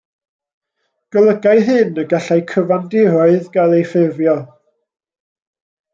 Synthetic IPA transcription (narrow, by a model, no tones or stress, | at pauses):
ɡ̥əlˠəɡaɨɦɨnəɡaɬajkʰəvandɪɾɔɨðɡalˠejfɪvjɔ